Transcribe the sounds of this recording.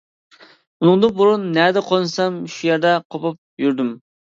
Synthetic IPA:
unɨŋd̪ɨbuɾunːɛd̪ɛqʰonɨsɑmʃujɛɾd̪ɛqʰopɑp̚jyɾd̪ym

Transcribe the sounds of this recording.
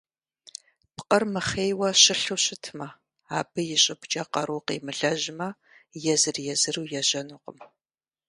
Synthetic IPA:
pqʼɐrmɨχeːjwɐɕɪɬuɕʼɪtʰmɐ | aːbɨjɪɕʼɪpt͡ʃʼɐqɐɾuqḛːmɨɮɐʑmɐ | jɛzɨrjɛzɨruːjɛʒɐnuːqə̰m

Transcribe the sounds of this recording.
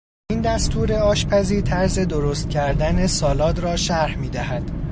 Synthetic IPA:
ind̪æst̪ʰuːɾe̞ɒːʃpʰæziːɾt̪ʰæɾze̞d̪oɾost̪̚cʲʰæɾd̪æne̞sɒːlɒːt̪rɒːʃæɾhmiːd̪æɦæd̪̥

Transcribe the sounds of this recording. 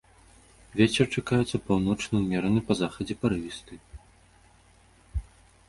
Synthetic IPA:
vʲɛt͡sʲɛrt͡ʂakajɛt̪sːɐpawnɔt͡ʂnɨwmʲɛɾɐnɨpɐzaxɐd͡zʲɛpɐɾɨvʲist̪ɨ

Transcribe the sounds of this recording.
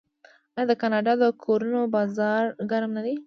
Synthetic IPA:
ɑjɑd̪əkɑnɑɖɑd̪əkʰoɾunobɑzɑɾɡaɾmnad̪e

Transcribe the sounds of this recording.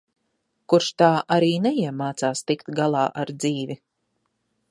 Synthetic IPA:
kuɾʃt̪aːʔaɾiːnɛjiɛmaːt̪saːst̪ikt̪ɡalˠaːʔaɾd̪ziːvi

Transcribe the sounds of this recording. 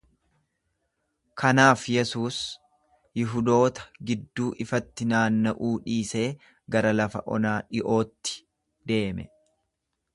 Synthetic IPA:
kʰɐnaːfjɛsuːs | jɪɦʊd̪o̞ːt̪ɐ̥ɡɪd̪ːuːʔɪfɐt̪ːɪnaːnːɐʔuːᶑiːse̞ː | ɡɐɾɐlɐfɐ̰ʔɔ̰naːᶑɪʔo̞ːt̪ːɪ̥ | d̪e̞ːmɛ̰

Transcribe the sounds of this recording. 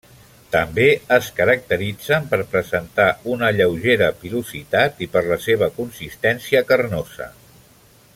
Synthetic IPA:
t̪əmbeəskəɾək̚t̪əɾid͡zəmpəɾpɾəzənt̪aunəʎəwʒeɾəpiluzit̪at̪ipəɾləseβ̞əkunsist̪ɛnsiəkərnozə̰

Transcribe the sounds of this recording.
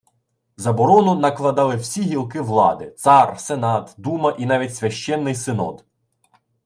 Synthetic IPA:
zɐbɔɾɔnʊnɐklˠɐd̪ɑlˠɪwsʲiɦʲilˠkɪʋlˠɑd̪ɪt̪sɑrsenɑt̪d̪umɐʔinɑʋʲitʲsʲʋʲɐʃt͡ʃɛnːɪjsɪnɔ̰d̪

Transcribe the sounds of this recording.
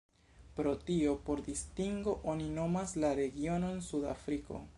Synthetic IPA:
pɾo̞tio̞po̞ɾdistiŋɡo̞ʔonino̞maslaɾe̞ɡio̞no̞nsuda̰fɾiko̞̰

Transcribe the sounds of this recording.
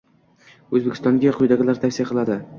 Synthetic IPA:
ɵzbekʲʰɪst̪ɒŋɡʲaqʰʊjd̪aɡʲalaɾt̪ʰakʲsijqʰɨlˠad̪ɪ

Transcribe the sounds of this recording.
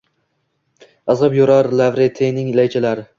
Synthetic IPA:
ɑzʁɨpjoɾaɾlavɾet̪ʰenɪŋlajt͡ʃʰɪlaɾɪ

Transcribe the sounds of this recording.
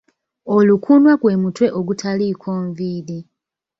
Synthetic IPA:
olukʰunwakwe̞ːmutwe̞ʔoɡutʰalikʰoːɱviːli

